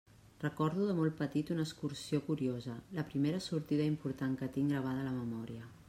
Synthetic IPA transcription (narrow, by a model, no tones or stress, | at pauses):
rəkɔɾðuðəmɔlˠt̪̚pət̪it̪unəskuɾsiokuɾiozələpɾimeɾəsuɾt̪iðəimpuɾt̪aŋkət̪iŋɡɾəβ̞að̞ələməmɔɾiə